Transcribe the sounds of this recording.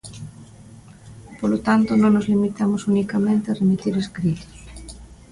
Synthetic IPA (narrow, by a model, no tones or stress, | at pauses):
polot̪ant̪ʊnõŋnozlimit̪amosunikamẽnt̪ɪaremit̪iɾeskɾit̪i̥s